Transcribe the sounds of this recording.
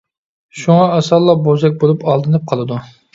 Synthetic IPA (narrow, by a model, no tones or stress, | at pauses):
ʃuŋɑɑsɑlˠːɑbozɛk̚ʲbolˠupɑlˠd̪ɨnɨp̚qʰɑlˠɨd̪u